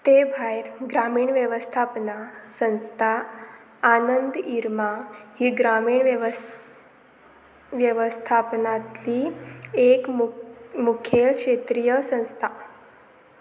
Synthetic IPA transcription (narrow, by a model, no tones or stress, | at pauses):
t̪ebʱajɾɡɾamiːɳʋjəʋəst̪ʰapnasə̃nst̪ʰaː | nənd̪iɾmahiɡɾamiːɳʋʋ | ʋjəʋəst̪ʰapnat̪liek | mukʰjelkʂet̪ɾijəsə̃ñst̪ʰa